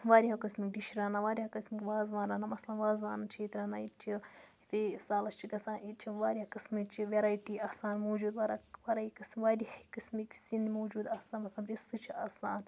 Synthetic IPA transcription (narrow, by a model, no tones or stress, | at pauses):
ʋaːɾʲiɦakɐsmik̚ɖiʃɾaːnaʋaːɾʲihakɐsmikʲʋaːzʋaːnɾaːnamɐslɐnʋaːzʋaːnɐt͡ʃʰeːt̪ɾaːnait͡ʃʰiit̪esaːlɐst͡ʃʰikɐsaːnit͡ʃʰiʋaːɾʲiakɐsmikt͡ʃʰiʋeɾaːjʈiaːsaːnmoːd͡ʒuːd̪ʋaːɾaʋaɾaikɨsmʋaːɾikɨsmiksind̪moːd͡ʒuːd̪aːsaːnmɐslɐnɾist̪ɨt͡ʃʰiaːsaːn